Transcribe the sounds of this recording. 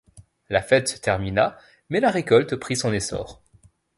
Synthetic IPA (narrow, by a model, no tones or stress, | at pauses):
lafɛt̪sə̥t̪ɛʁmina | mɛlaʁekɔlt̪pχisɔ̃nesɔ̰ːʁ